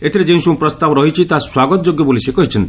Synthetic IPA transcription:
et̪ʰiɾed͡ʒẽsũpɾɔst̪abɔɾɔɦit͡ʃʰit̪aswaɡɔt̪ɔd͡ʒoɡjɔbolisekɔɦit͡ʃʰɔnt̪i

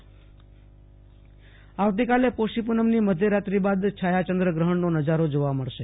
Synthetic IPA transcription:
aʋt̪ikalepoʃipunəmniməd̪ʱjəɾat̪ɾibad̪t͡ʃʰajat͡ʃənd̪ɾəɡɾəɦəɳnonəd͡ʒaɾod͡ʒoʋaməɭʃe

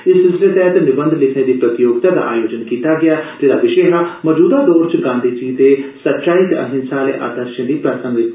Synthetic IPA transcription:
ɪsɪsɾet̪ɛːt̪enɪbə̃nd̪ʱlɪkʰneːd̪iːpɾət̪ɪjoːɡt̪aːd̪a̰ːʔa̰ːjoːd͡ʒənkiːt̪aːɡɪaːd͡ʒeːɾaːʋɪʃeːɦaməd͡ʒuːd̪aːd̪ɔːɾt͡ʃɡãːnd̪ʱiːd͡ʒiːt̪eːsətːʃaːiːt̪ə̰ɦɪ̃nsaːlḛːʔa̰ːd̪əɾʃə̃ːd̪iːpɾəsə̃ŋɡʋɪ

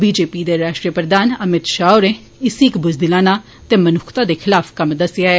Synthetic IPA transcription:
biːd͡ʒeːpiːd̪eːɾaːʃʈɾijəpɾəd̪aːnəmɪt̪ʃaːoɾẽ | ɪsikbʊzd̪ɪlãːnãː | t̪eːmənʊkʰt̪ãːd̪eːkʰɪlaːfʰkəmd̪əsɪjaːɛː

